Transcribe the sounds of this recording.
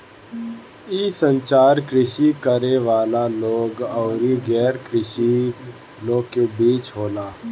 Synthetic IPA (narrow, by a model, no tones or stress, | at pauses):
iːsə̃ɲt͡ʃaːɾkɾɪʃikəɾeʋaːlaloːɡɔːɾiɡɛːɾkɾɪʃi | lõːkebiːt͡ʃɦoːlaː